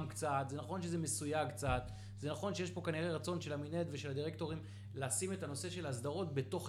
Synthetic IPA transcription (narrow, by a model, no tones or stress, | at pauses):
mkt͡sat̪zenaχo̞nʃe̞zemesujaɡkt͡sat̪ | zenaχo̞nʃejeʃpo̞kaniʁeʁat͡so̞nʃe̞laminet̪ve̞ʃe̞lad̪iʁekto̞ʁim | leːsime̞tano̞se̞ʃe̞lasd̪aʁo̞tbe̞to̞χ